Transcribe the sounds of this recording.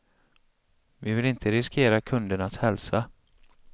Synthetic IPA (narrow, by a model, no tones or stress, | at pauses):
vɪvɪlɪnt̪ʰəɾɪskʰeːɾakʰɵnd̪əɳashɛlsa